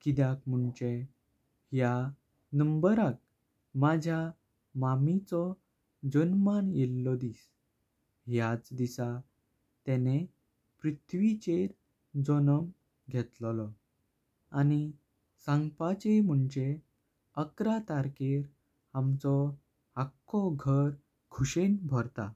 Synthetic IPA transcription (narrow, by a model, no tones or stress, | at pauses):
kid̪jakm̤uɳt͡ɕe | hja | nəmbəɾak̚ | mad͡ʑʱja | mamit͡sɔ | d͡ʑənmanjelːɔd̪is | ɦjat͡sd̪isa | t̪ɛne | pɾit̪ʰʋit͡ɕeɾ | d͡zɔnəm | ɡʱɛt̪llɔ | ani | sãŋɡpat͡ɕem̤uɳt͡ɕe | əkɾat̪aɾkeɾ | hamt͡sɔ | akːɔɡʱəɾ | kʰuɕenbʱɔɾt̪a